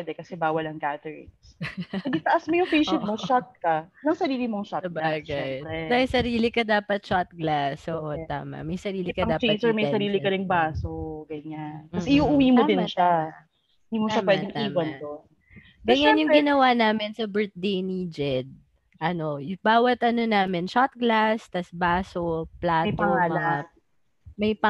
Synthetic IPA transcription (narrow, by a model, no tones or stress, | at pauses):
ɛd̪ɛkɐsɛbaːwɐlɐŋɡat̪ɛɹɪ̰ŋsɛd̪ɪt̪ɐʔɐsmojʊŋfejʃɛd̪moʃat̪̚kɐnɐŋsɐɾiːlɪmoŋʃat̪ɐbaɡaj̪ɛmɐjsɐɾiːlɪkɐd̪aːpɐt̪̚ʃat̪̚ɡlasott̪a̰ːmɐ̰mɐjsɐɾiːlɪkɐd̪aːfeɐsɛɹmɐjsɐɾiːlɪkɐɾɪŋbaːsoɡɐɲanɐɛɪʔuŋʔʊwiːmod̪ɪnʃa | ɪnd̪imoʃamwɛːd̪ɪŋʔ̪iːmwɐɐnt̪o | ɡɐɲanjʊŋɡɪnɐwanaːmɪnsɐbɛɹt̪̚d̪ejnid͡ʒɛd̪̚ | ʔɐno̞jbaːwɐt̪ʔɐnonaːmɪnʃat̪̚ɡlast̪ɐsbaːsoplaːjt̪ol̚ | mɐjpɐ